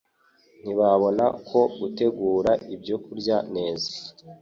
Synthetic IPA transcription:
n̥iβaβo̞na̰kʰo̞ɡute̞ɡuːɾaʔibɟo̞kuɾɟane̞ːzḁ

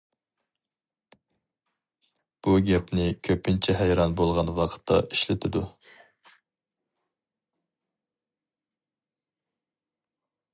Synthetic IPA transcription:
b̥uɡʲɛpnɪkʲʰøpːɪnt͡ʃʰɛɦɛjɾɑnbolˠʁɑnwɑqʰə̥t̪ʰːɑ̰ʔiʃlɪt̪ʰɪd̪u

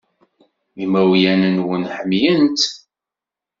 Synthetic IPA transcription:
imæwjænənwənħəmjənt̪

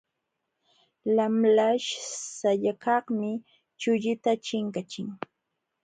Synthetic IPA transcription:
lamlaʃsaʎakɑχmɪ | t͡ʃʊʎɪt̪at͡ʃɪŋkat͡ʃɪŋ

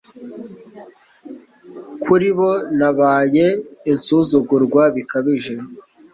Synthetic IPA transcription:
kʰuɾiβonaβaːje̞insuzuɡuɾɡwaβikaβiʒe̞

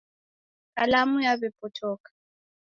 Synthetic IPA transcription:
kʼalamujaβɛpʼɔtʰɔːkḁ

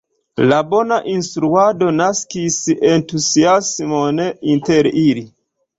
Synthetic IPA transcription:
labo̞naʔinstɾuado̞naskisentuziasmoneinteɾili

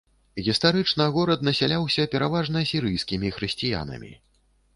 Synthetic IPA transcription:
ɣʲist̪aɾɨt͡ʂnɐɣɔɾɐd̪̚nɐsʲalʲawsʲɐpʲɛɾavaʐnɐsʲiɾɨjskʲimʲixɾɨsʲt͡sʲija̰nɐ̰mʲḭ

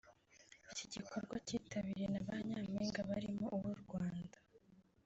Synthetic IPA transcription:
iciɟikʰo̞ɾɡwaciːtʰaβiɾenaβaɲaːmeːŋɡaβaɾimoʔuβuɾɡwaːnda

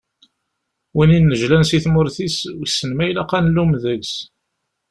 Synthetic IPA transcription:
wininːəʒlænsiθmʊɾθiswsːənmæjlæqɑnlumðəɡs

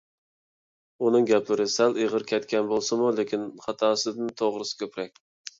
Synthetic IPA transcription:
unɨŋɡʲɛplɪɾɪsæleʁəɾkʲʰɛt̪kʲɛnbolˠsɨmulɪkʲʰinχɑt̪ʰɑːsɨd̪ɪnt̪ʰoʁɾɨsɪ̥kʲøpɾɛk̚ʲ

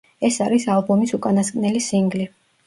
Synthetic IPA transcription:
ɛsaɾisalˠbɔmisukʼanaskʼnɛlisiŋɡli

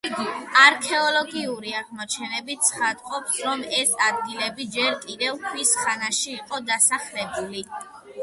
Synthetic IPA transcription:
ɡaɾkʰɛɔlɔɡiuɾiaʁmɔt͡ʃʰɛnɛbit̪sʰχad̪qʼɔpsɾɔmɛsad̪̚ɡilɛbid͡ʒɛɾkʼid̪ɛvkʰwisχanaʃiːqʼɔd̪asaχlɛbuli

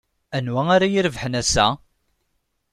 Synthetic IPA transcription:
ænwæaɾajiɾvħənæsæ̰

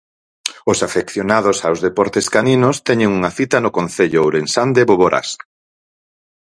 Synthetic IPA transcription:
ʊsafekθjonaðosawzðepɔɾt̪eskaninost̪ɛɲeŋuŋaθit̪ɐnʊkõnθeʎʊowɾensand̪eβoβoɾʔa̰s

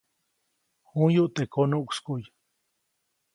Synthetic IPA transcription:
hujuʔt̪ekʰonuʔkʷskuj

